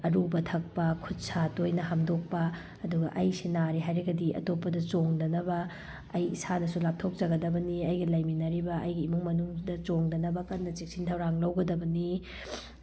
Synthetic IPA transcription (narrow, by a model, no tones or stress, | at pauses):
ɐɾubɐtʰɐk̚pɐkʰut̚sʰatojnɐɦamdok̚pɐː | duɡɐ̰ʔɐjsinaɾiɦajɾɐɡɐdiʔɐ̰topːɐdɐt͡ʃoŋdɐnɐbɐː | jḭsanɐsulap̚tʰok̚t͡ʃɐɡɐdɐbɐniɐjɡɐlɐjminɐɾibɐʔɐjɡiːmuŋmɐnuŋdɐt͡ʃoŋdɐnɐbɐkɐnːɐt͡ʃik̚sintʰɐwɾaŋlɐwɡɐdɐbɐni